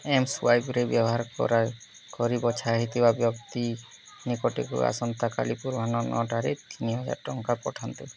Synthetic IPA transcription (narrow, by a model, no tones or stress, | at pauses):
emsuwajpɾebjɔbɔɦaɾkɔ̰ɾa | kɔɾibɔt͡ʃʰaɦit̪ibabjɔkt̪i | nikɔʈḭkṵa̰sɔnt̪aka̰lipuɾbʱanɔnɔ̰ʈaɾet̪ʰiniɦɔd͡ʒa̰ʈɔŋkapɔʈʰant̪e